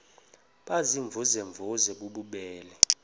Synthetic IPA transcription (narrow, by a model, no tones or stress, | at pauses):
ɓaziɱvʱuzɛɱvʱuzɛɓuɓuɓɛːlɛ